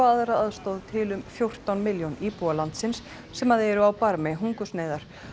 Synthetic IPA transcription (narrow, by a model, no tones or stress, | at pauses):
aðɾaaðst̪ɔðt̪ʰɪlʏmfjowr̥t̪awnmɪljownipualant̪sɪnsː | ɛmaðɛɾʏawpaɾmɛɦuŋkʏsneːðaɾ̥